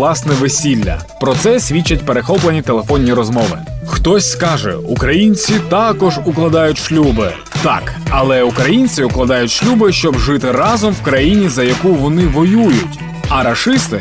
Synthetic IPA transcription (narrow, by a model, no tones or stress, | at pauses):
lˠɑsnɛʋesʲilʲːɐ̰ | pɾɔt̪sɛsʲʋʲit͡ʃːɐt̚ʲpeɾexɔplˠenʲit̪elˠefɔnʲːiɾɔzmɔʋɪ̰ | xt̪ɔsʲskɑʒɛ̰ukɾɐjinʲt͡sʲit̪ɑkɔʒʊklˠɐd̪ɑjʊtʲʃlʲubɪ | t̪ɑ̰kɐlˠɛʊkɾɐjinʲt͡sʲiʊklˠɐd̪ɑjʊtʲʃlʲubɪʃt͡ʃɔbʒɪt̪ɪɾɑzɔmwkɾɐjinʲizɐjɐkuʋɔnɪʋɔjujʊtʲ | ɐɾɐʃɪst̪ɪ